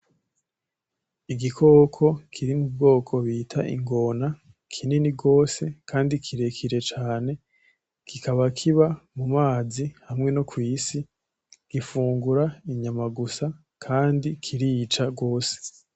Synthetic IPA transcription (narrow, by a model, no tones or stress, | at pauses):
iɡikʰo̞ːkʰo̞kʰiɾimub̚ɡo̞ːkʰo̞βiːtʰa̰ʔḭŋɡo̞na | kʰininiɡo̞ːse̞kʰaːndikʰiɾe̞kʰiɾe̞t͡ʃaːne̞ | kʰikʰaβakʰiβamumaːzihamŋe̞nokwiːsi | ɡ̥ifuːŋɡuɾaiɲamaɡusa | kʰaːndikʰiɾiːt͡ʃaɡo̞ːse̥